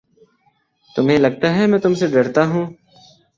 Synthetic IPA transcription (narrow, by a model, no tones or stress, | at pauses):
t̪ʊmɦẽlɐɡ̚t̪aɦɛmɛ̃ːt̪ʊmseɖɐɾt̪aɦũː